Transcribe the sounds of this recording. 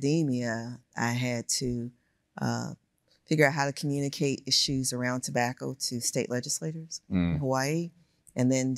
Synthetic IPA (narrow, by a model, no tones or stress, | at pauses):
dimiɨʔa̰ɪɨd̚tʰɨ | ʔʌ̰ | fɪɡjə˞aʊt̚ɦaʊɾɨkʰmjʉnɨkʰeɪɾɪʃʉzə˞ãʊ̃ntʰəbækoʊɾɨsteɪʔˡlɛd͡ʒɨsleɪɾə˞z̥̃ɦowaɪi | ɨ̃nðɨ̃n